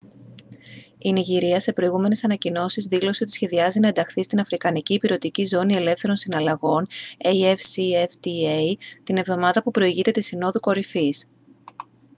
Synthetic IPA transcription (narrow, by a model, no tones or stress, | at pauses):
iniʝiɾiɐse̞pɾo̞iɣume̞ne̞sɐnɐcino̞sizðilo̞seot̪isçe̞ðiɐzinɐe̞nd̪ɐxθist̪inɐfɾikɐniciːpiɾo̞t̪icizo̞nie̞le̞fθe̞ɾonsinɐlɐɣo̞nejefsieft̪iejt̪ine̞vðo̞mɐðɐpupɾo̞iʝit̪e̞t̪isino̞ðuko̞ɾifis